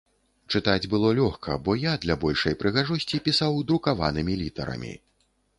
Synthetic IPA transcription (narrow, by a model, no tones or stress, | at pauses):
t͡ʂɨt̪ad͡zʲbɨlˠɔlʲɔxkʰɐ̰bɔjad̪lʲabɔlʲʂɐjpɾɨɣaʐɔsʲt͡sʲipʲisawd̪ɾukava̰nɨmʲilʲit̪ɐ̰ɾɐ̰mʲḭ